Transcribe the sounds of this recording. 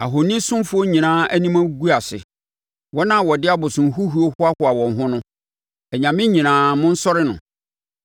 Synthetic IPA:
a˨ɦo˨nĩ˦sʊ̃˦m˦fʊ˦o˦ɲĩ˨nãː˦æ˦nĩ˦mã˦ɡu˦a˨sɪ̰˨ | wɔ˦nã˦˨wɔ˨dɪ˦a˦bʊ˨sʊ̃˨n̩˨˦ɦu˦ɦu˦o˦hʊ˦a˦hʊ˦a˨wɔ̃˨n˨ɦʊ̃˦nʊ̃˦ | ɛ˨ɲã˨mɪ̃˦ɲĩ˨nãː˨˦mʊ̃˦n̩˦sɔ˦ɾɪ˦nʊ̰̃˨

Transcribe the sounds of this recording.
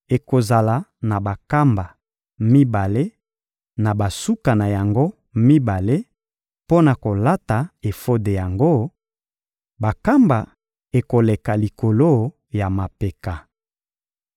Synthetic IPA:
e˨ko˨za˨la˨na˨ba˨ka˦mba˨ | mi˦ba˨le˦ | na˨ba˨su˦ka˨na˨ja˨ŋɡo˦ | mi˦ba˨le˦ | po˦na˨ko˨la˦ta˨e˨fo˦de˨ja˨ŋɡo˦ | ba˨ka˦mba˨ | e˨ko˨le˨ka˨li˨ko˨lo˦ | ja˨ma˨pe˨ka˨

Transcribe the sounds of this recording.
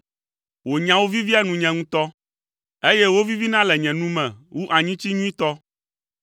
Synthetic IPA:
wo˨ɲã˨wo˦vi˦vi˦a˦nũ˨ɲɛ̃˨ŋũ˦t̪ɔ˦ | e˦je˦wo˦vi˦vi˦nã˦lɛ˨ɲɛ̃˨nũ˦mɛ̃˨wu˦ʔa˨ɲĩ˦t͡ɕi˦ɲũ˦ĩ˦t̪ɔ˦

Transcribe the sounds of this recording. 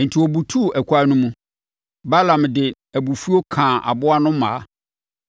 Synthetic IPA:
n̩˨tʰi˨ɔ˨bu˨tʰu˦˨ʔæ˨kʰʷu˨˦a˦nũ˦mũ˨ | ba˦lã˨mdɪ˨ | æ˨bu˨fu˦o˦kʰãː˨ʔa̰˨bʊ˦a˦nʊ̃˦mã̰˨a˦

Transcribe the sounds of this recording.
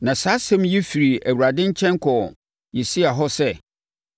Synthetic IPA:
nã˨saː˨˦sɛ̃˦mjɛ˦fi˨ɾi˨æ˨wu˨ɾa˨dɪ̃˦ɲ̩˦t͡ɕʰɛ̃˦ŋ˦kʰɔ˨ | jɛ˨si˦a˨ɦɔ˦sɛ˦

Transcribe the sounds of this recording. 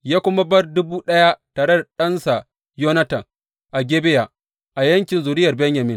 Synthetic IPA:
jaː˦kʷʊ˦mɐ˦bɐ˦rdʊ˦buː˦ɗɐ˦ja˦taː˨ɾe˦da˨ɗɐ˦nsa˨ | jo˦nɐ˦tɐ˨ | ʔa˨ɡʲeː˦bɪ˦ja˨ | ʔa˨jɐ˦ŋkʲɪ˨nzʊː˨ɾɪ˦jɐ˨rbɛ˦ɲja˨mɪ˦n

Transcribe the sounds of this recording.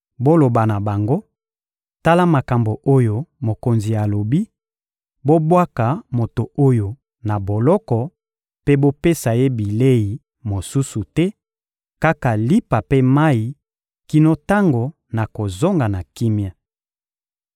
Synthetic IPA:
bo˦lo˨ba˨na˨ba˨ŋɡo˦ | ta˦la˦ma˨ka˨mbo˨ʔo˦jo˨mo˨ko˨nzi˨ja˨lo˨bi˦ | bo˦bwa˦ka˨mo˨to˨o˦jo˨ | na˨bo˨lɔ˦kɔ˨ | pe˦bo˦pe˦sa˨je˦bi˨le˦ji˨ | mo˨su˦su˨tɛ˦ | ka˦ka˨li˦pa˨pe˦ma˦i˨ | ki˦no˦ta˦ŋɡo˨ | na˨ko˨zo˦ŋɡa˨na˨ki˦mja˨

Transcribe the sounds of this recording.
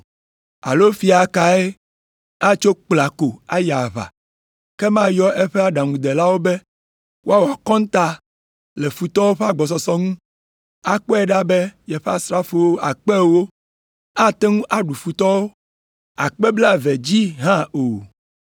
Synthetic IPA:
a̰˨lo˦fi˦a˨ka˨e˦ | a˦t͡ʃo˦k͡pla˨ko˨a˦ja˨βa̰˨ | kɛ˦mã˦jɔ˦ʔɛ˦ɸɛ˦a˦ɖa˨ŋũ˨d̪ɛ˨la˦wo˦bɛ˦ | wʔo˦a˦wo˨a˨kɔ̃˦n˦t̪a˦ | lɛ˨fu˨t̪ɔ˦wo˦ɸe˦a˦ɡ͡bɔ˨s̬ɔ˨sɔ˦ŋũ˦ | a˨k͡pɔ˦ɛ˦ɖa˦bɛ˦jɛ˨ɸe˦a˦sɾa˦fo˨wo˦ʔa˨k͡pɛ˦wo˦ | a˦t̪ɛ˦ŋũ˦ʔa˦ɖu˨fu˨t̪ɔ˦wo˦ | a˨k͡pɛ˦bla˦vɛ˨d͡ʑi˦ɦã˦o˨

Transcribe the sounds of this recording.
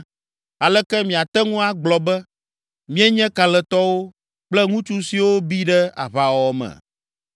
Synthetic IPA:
a˨lɛ˦kɛ˦mĩ˨a˨t̪ɛ˦ŋũ˦a˦ɡ͡blɔ˨bɛ˦ | mĩ˦ɛ˦ɲɛ̃˦ka˨lɛ˨t̪ɔ˦wo˦ | k͡plɛ˦ŋũ˦t͡ʃu˦si˨wo˦bi˦ɖɛ˦a̰˨βa˨wɔ˨˦mɛ̰̃˨

